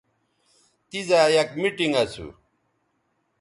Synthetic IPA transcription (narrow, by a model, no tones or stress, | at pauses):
t̪izaːjɐkmiʈiŋɡɐsʰṵ